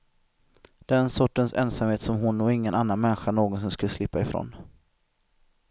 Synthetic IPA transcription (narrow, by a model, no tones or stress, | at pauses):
d̪ɛɛæɾɛnsɔʈːənsɛ̰nsamheːt̪sɔmɦʊnːɔɪŋːənʔanːanmɛnːɪɧanoːɡɔns̬ɔmskɵlːəslɪpːaɪfɾo̰n